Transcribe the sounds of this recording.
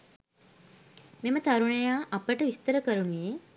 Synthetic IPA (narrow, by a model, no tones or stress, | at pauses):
memət̪aɾuɳejaːʔɐpəʈəʋist̪əɾəkəɾunije